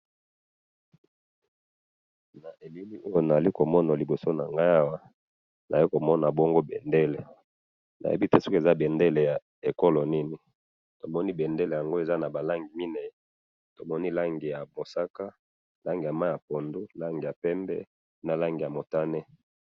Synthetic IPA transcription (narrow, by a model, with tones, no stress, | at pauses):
na˨ʔe˨li˦li˦ʔo˦jo˦na˨za˨li˦ko˨mɔ˦na˨li˨bo˨so˦na˨ŋɡa˦ja˦wa˦ | nʔa˨i˦ko˨mɔ˦na˨bɔ˦ŋɡo˦bɛ˨nde˦le˨ | nʔa̰˨je˦bi˦te˦su˦ke˨za˦bɛ˨nde˦le˨ja˨ | e˨ko˦lo˨ni˦ni˨ | to˨mɔ˦ni˦bɛ˨nde˦le˨ja˨ŋɡo˦e˨za˦na˨ba˨la˦ŋɡi˨mi˦nɛ˨˦ | to˨mɔ˦ni˦la˦ŋɡi˨ja˨mo˨sa˦ka˦ | la˦ŋɡi˨ja˨ma˦ja˨po˨ndu˦la˦ŋɡi˨ja˨pɛ˦mbɛ̰˦ | na˨la˦ŋɡi˨ja˨mo˨ta˦nɛ˦